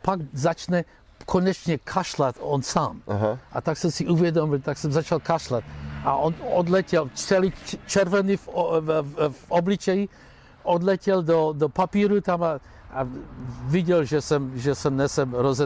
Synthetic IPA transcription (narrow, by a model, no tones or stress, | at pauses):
paɡzat͡ʃnɛ | kʰonɛt͡ʃɲɛkʰaʃlat̪onsaːmʔat̪aksɛmsiʔuvjɛd̪omilt̪aksɛmzat͡ʃalkaʃlat̪ʔa̰ʔonod̪lɛcɛlt͡ʃɛlit͡ʃɛɾvɛnif | vʔoblit͡ʃɛji | ʔod̪lɛcɛld̪od̪opapiːɾut̪ama | aviɟɛlʒɛsɛmʒɛsɛmnɛsɛmɾozɛ